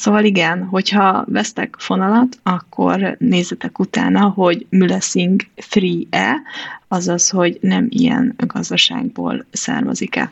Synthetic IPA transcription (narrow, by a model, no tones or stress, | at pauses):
soːvɒliɡɛnɦo̞chɒvɛst̪ɛkfo̞nɒlɒt̪ɒkʰːo̞̰rneːzɛt̪ɛkut̪a̰ːnɒɦo̞ɟmylɛsiŋɡfriːɛɒzɒsho̞ɟnɛmḭjɛ̰nɡɒzd̪ɒʃa̰ːɡ̚bo̰ːlsa̰ːrmɛ̰zikɛ̰